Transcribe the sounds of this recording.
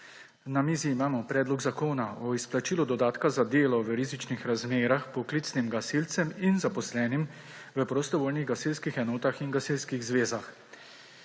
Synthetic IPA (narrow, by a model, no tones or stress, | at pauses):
namiːziːmaːmɔpɾɛːd̪lɔɡzakoːnaɔisplat͡ʃiːlɔd̪ɔd̪aːt̪kazad̪eːlɔʋəɾiːzit͡ʃnixɾazmeːɾaxpɔklit̪snimɡasilt̪sɛminzapɔslɛːnim | ʋəpɾɔst̪ɔʋoːlniɣɡasilskixɛnoːt̪axinɡasilskiɣzʋeːzax